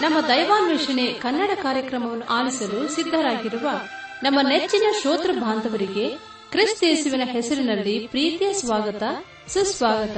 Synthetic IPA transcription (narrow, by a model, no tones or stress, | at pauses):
nɐmːɐd̪ɐjʋaːnʋiʂɐnekɐnːɐɽɐkaːɾjɐkɾɐmɐʋɐnːuʔaːlisɐlusid̪ʱːɐɾaːɡiɾuʋɐ | nɐmːɐnet͡ʃːinɐʃoːt̪ɾɐbʱaːnd̪ʱɐʋɐɾiɡe̞ | kɾist̪eːsuʋinɐɦɛsɐɾinɐlːipɾiːt̪ijɐsʋaːɡɐt̪ɐ | susʋaːɡɐt̪ɐ